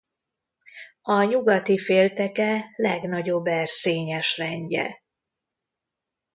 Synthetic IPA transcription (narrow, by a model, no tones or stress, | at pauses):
ɒɲuɡɒt̪ifeːlt̪ɛkɛlɛɡn̪ɒɟo̞bːɛrseːɲɛʃrɛɲɟɛ̰